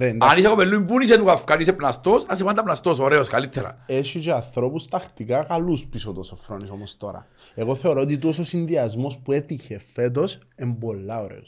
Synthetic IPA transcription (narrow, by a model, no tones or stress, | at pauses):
ɾenanisakopelːuimbunis̬et̪ukafkaɾis̬epnast̪osasepand̪ɐpnast̪osoɾeoskalit̪ʰːeɾɐ̰eʃit͡ʃeanθɾo̞pust̪ɐxt̪ikakaluspisot̪osofɾonisomost̪o̞ɾɐ̰ | eɣo̞θe̞oɾoot̪̬it̪̬uos̬osinðiazmo̞spuet̪içefet̪̬o̞sembolːaoɾḛos